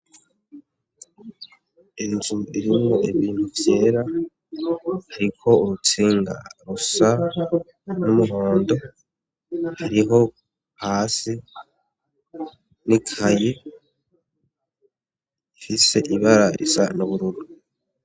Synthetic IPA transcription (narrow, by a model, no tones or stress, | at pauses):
einzuiɾimŋoeβiːnhuvje̞ːɾa | haɾikʰo̞uɾut͡siːŋɡa̰ɾusa | numuɦo̞ːndo̞ | haɾiɦo̞ | haːsi | nikʰaje | ifise̞ʔiβaɾaɾḭsanoβuɾuɾu